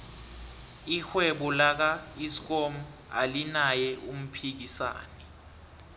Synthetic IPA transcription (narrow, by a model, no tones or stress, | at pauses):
ixwɛɓɔlak̬aisk̬ɔm̩ | a̰linajɛʔum̩pʰik̬isa̰ːnɛ